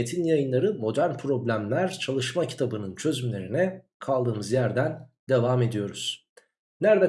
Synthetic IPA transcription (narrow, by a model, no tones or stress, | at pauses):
et̪ʰinjajɯnlˠaɾɯmo̞d̪æɾnpʰɾo̞blʲæmlʲæɾt͡ʃʰalˠɯʃmacʰi̥t̪ʰabɯnɯnt͡ʃʰø̞zymlʲe̞ɾinɛ | kʰalˠd̪ɯːmɯzjæɾd̪ænd̪e̞vaːme̞d̪ijo̞ɾuz̥ | næɾd̪æ